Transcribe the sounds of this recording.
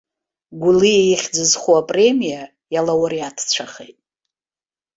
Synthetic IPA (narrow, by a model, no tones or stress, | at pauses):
ɡʷuliejiχʲd͡zɨzχuapʼre̞mija | jalawaɾiatʰt͡ɕʷʰaχḛjtʼ